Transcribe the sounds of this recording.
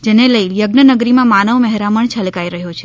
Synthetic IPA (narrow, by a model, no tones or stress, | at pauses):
d͡ʒeneləijəɡnənəɡɾimãmanəʋməɦɾaməɳt͡ʃʰəlkaiɾəɦjot͡ʃʰe